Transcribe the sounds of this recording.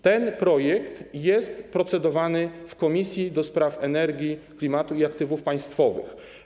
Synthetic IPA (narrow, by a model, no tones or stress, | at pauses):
t̪ɛnpɾɔjɛkt̪jɛst̪pɾɔt̪sɛd̪ɔvanɘfkɔmʲisʲjid̪ɔspɾafɛnɛɾɡʲiklʲimat̪uiakt̪ɘvufpaj̃st̪fɔvɘ̰x